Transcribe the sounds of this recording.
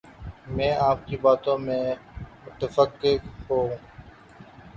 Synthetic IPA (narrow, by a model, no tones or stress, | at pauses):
mɛ̃ːaːp̚kiːbaːt̪õːmẽːmʊt̪əfəkɦoːũː